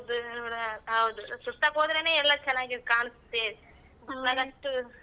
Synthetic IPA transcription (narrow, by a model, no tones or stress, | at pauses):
d̪unuːɽɦɐwd̪usut̪ːɐkɦoːd̪ɾene̞ːɛlːɐt͡ʃɛnːaːɡikaːɳɨst̪ːeː | ɐɡɐʂʈu